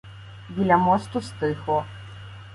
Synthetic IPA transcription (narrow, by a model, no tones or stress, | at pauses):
bʲilʲamɔst̪ust̪ɨxɔ